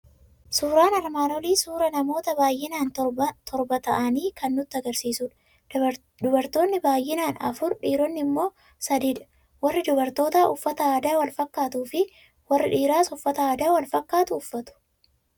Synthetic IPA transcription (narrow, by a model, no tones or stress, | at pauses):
suːɾaːnɐɾmaːnɔliːsuːɾɐnɐmo̞ːt̪ɐbaːjʔɪnaːnt̪t̪ʰɔɾbɐt̪ɐʔɐniːkɐnːʊt̪ːɪɐɡɐɾsiːsuːᶑɐ̥ | d̪ʊbɐɾt̪o̞ːnːɪbaːjʔɪnaːnɐ̰fʊɾᶑiːɾɔnːɪɪmːo̞ː | sɐd̪iːᶑɐ̥ | wɐrːɪd̪ʊbɐɾt̪o̞ːt̪aːʔʊfːɐt̪ɐaːd̪aːwɐlfɐkːaːt̪uːfɪ | wɐrːɪᶑiːɾaːsʊfːɐt̪ɐaːd̪aːwɐlfɐkːaːt̪ʊːfːɐt̪ʊ̥